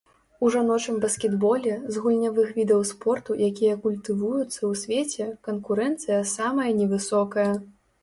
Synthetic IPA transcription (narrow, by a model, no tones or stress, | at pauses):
uʐanɔt͡ʂɨmbɐskʲɛd̪bɔlʲɛzɣulʲnʲavɨxvʲid̪ɐwspɔrt̪ujakʲijɐkulʲt̪ɨvujut̪sːɐwsʲvʲet͡sʲɛkɐnkuɾɛnt̪sɨjɐsamɐjɐnʲɛvɨsɔkɐjɐ